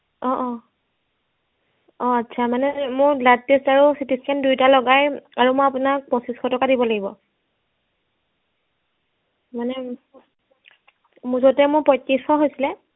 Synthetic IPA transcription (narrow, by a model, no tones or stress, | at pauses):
ɔʔɔ̃ | ɔatːsʰamanɛmʊɹlat̚testaɹusitiskʰandujtalɔɡajaɹumʊjapunak̚pɔsisxʰɔtɔkadibɔlaɡibɔ | manɛ | muzɔtɛmʊɹpɔjtːisɔɦojsilɛ